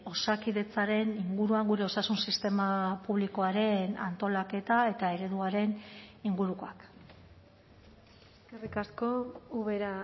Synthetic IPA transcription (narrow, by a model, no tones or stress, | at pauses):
o̞sakiðe̞t͡saɾe̞niŋɡuɾuaŋɡuɾe̞o̞sasunsist̪e̞mapuβliko̞aɾe̞na̰nt̪o̞lake̞t̪ae̞t̪ae̞ɾe̞ðuaɾe̞niŋɡuɾuko̞ak | serikasko̞uβeɾa